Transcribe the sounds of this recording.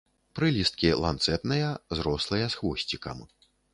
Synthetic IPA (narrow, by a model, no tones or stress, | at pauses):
pɾɨlʲist̪̚kʲilˠa̰nt̪sɛt̪nɨjɐzɾɔslˠɨjɐsxvɔsʲt͡sʲikɐ̰m